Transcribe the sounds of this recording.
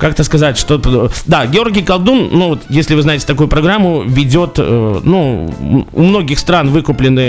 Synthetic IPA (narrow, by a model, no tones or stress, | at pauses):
kak̚t̪əskɐzatʲʂt̪opd̪aɡʲɪo̞rɡʲɪjkɐlˠd̪unːuvo̞t̪jesʲlʲɪvɨznaɪtʲɪt̪ɐkujʊpɾɐɡɾamːʊvʲɪdʲo̞t̪ənu | ṵmno̞ɡʲɪxst̪ɾanvɨkʊplʲɪnːɨ